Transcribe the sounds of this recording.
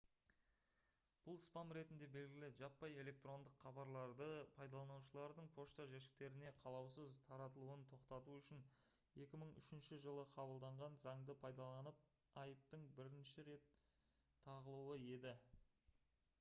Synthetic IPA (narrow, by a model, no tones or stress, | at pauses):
b̥ʊlˠspɑmɾe̞t̪ɪnd̪e̞be̞lɡʲɪlɪʒɑpːɑje̞lʲe̞k̚t̪ro̞nd̪əqχɑbɑɾlˠɑɾd̪əpʰɑjd̪ɑlˠɑnuwʃəlˠɑɾd̪əɴpʰo̞ʃt̪aʒeʃ̬ɪ̥k̚t̪e̞ɾɪne̞qʰɑlˠɑwsəzt̪ʰɑɾɑt̪əlˠuənt̪ʰo̞qt̪ɑt̪uʏʃɪn | e̞kʲɪməɴʏ̰ʃɪnʃɪʒəlˠəqʰɑbəlˠd̪ɑɴʁɑnzɑɴd̪əpʰɑjd̪ɑlˠɑnəp̚ | ɑjəp̚t̪əɴbɪɾɪnʃɪɾe̞t̪ʰː | ɑʁəlˠuwəe̞d̪ɪ